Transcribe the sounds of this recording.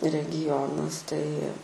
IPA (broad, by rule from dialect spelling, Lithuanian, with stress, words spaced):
rʲɛɡʲɪˈjoːnɐs tɐɪ